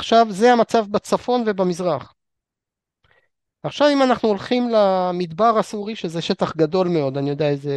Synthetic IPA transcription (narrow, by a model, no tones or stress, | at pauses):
aχʃavzehamat͡savbat͡safo̞nve̞bamizʁaχ | aχʃavimanaχnuolχimlamid̪baʁasuʁiʃezeʃe̞t̪aχɡado̞lme̞o̞d̪anijo̞d̪eaeze